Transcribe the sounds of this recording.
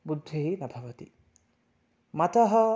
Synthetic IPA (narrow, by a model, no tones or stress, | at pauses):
bud̪ʱːiɦinɐbʱɐʋɐt̪i | mɐt̪ɐɦɐ